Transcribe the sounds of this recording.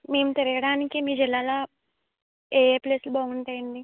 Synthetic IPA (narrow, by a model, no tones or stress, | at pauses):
me̞ːmut̪iɾijɐɽaːnikimiːɾd͡ʒilːaːloː | eːpleːslubaːɡuɳʈɐjiɳɖi